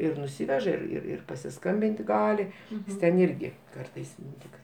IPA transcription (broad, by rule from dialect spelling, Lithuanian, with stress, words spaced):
ɪr nʊˈsʲɪʋʲɛʒɐ ɪr ɪr ɪr pɐsʲɪˈskɐmʲbʲɪnʲtʲɪ ˈɡɑːlʲɪ ˈjɪs tʲɛn ˈɪrʲɡʲɪ ˈkɐrtɐɪs ˈtʲɪk